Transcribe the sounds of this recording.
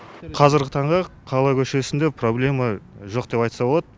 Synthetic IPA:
qʰɑzɪɾɡʲɪt̪ʰɑɴʁɑqʰɑlˠɑjkʲʰɵʃe̞sɪnd̪e̞pro̞blʲe̞mɑʒo̞qd̪̥e̞pɑjt̪sɑbolˠɑd̪ə

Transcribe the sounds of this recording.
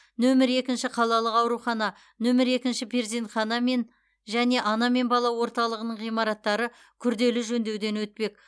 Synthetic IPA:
nɵmɪɾe̞kʲɪnʃɪqʰɑlˠɑlˠəqɑwɾuχɑnɑ | nɵmɪɾe̞kʲɪnʃɪpʰeɾzent̪χɑnɑme̞n | ʒæne̞ʔɑnɑme̞nbɑlˠɑwo̞ɾt̪ɑlˠəʁənəɴʁijmɑɾɑt̪ːɑɾə | kʲʰʏɾd̪e̞lɪʒɵnd̪e̞wd̪e̞nwɵt̪̚pe̞k̚

